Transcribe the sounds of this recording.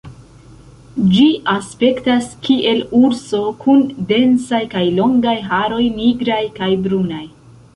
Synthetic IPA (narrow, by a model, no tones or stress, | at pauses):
d͡ʒiʔaspe̞ktaskiʔe̞luɾso̞kʰunde̞nsajkajlo̞ŋɡajɦaɾo̞jniɡɾajkajbɾunaj